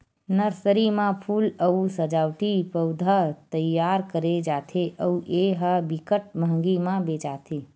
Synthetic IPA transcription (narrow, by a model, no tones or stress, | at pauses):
nəɾsəɾimãpʰuləusəd͡ʒawʈipəwd̪ʱat̪əjːaɾkəɾed͡ʒat̪ʰeʔəuʔeɦəbikəʈ̚məɦŋɡimãbet͡ʃat̪ʰe